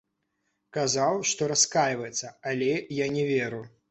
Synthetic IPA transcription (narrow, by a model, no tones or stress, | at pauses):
kazawʂt̪ɔɾaskajvɐjɛt̪sːɐalʲɛjanʲɛvʲɛɾu